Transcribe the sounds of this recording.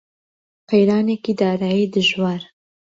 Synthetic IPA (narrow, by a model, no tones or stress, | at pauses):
qejɾɑːneːkid̪ɑːɾaːjid̪ɨʒwɑːɾ